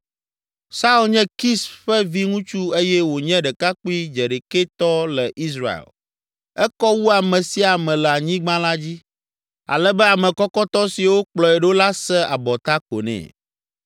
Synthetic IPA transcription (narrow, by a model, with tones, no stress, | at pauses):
sa˦u˦lɲɛ̃˦ki˦sɸɛ˦vi˦ŋũ˦t͡ʃu˦e˦jɛ˦wo˨ɲɛ̃˦ɖɛ˨ka˦k͡pu˦i˦d͡ʒe˨ɖe˨ke˦t̪ɔ˦lɛ˨ʔi˦sɾa̰˨ḛ˨l | ɛ˦kɔ˦wu˦a˨mɛ̃˨si˦a˨mɛ̃˨lɛ˨a˨ɲĩ˦ɡ͡bã˦la˦d͡ʑi˦ | a̰˨lɛ˦bɛ˦a˨mɛ̃˨kɔ˦kɔ˦t̪ɔ˦si˨wo˦k͡plɔ˨ɛ˨ɖo˦la˦sɛ˦ʔa˨bɔ˨t̪a˦ko̰˨nɛ̰̃˨